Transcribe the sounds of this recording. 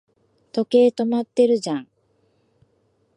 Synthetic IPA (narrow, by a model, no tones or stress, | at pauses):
t̪o̞ke̞ːt̪o̞mat̪ːe̞ɾɯ̟d͡ʑãŋ